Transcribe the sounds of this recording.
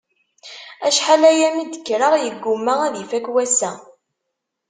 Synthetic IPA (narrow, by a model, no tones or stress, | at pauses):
æʃħalæjæmid̪əkːɾaʁjəɡːʊmːaʁæðifækwæsæ